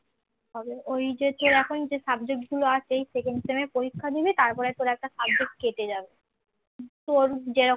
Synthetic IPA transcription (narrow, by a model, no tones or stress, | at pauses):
t̪ɔbeojd͡ʑet̪oɾɛkʰond͡ʑesabd͡ʑek̚ʈɡuloat͡ʃejsekeɳɖemeɾpoɾikʰːad̪ibet̪aɾpɔɾet̪oɾaɛk̚ʈasab̚d͡ʑek̚ʈ̚keʈed͡ʑabe | t̪oɾd͡ʑeɾo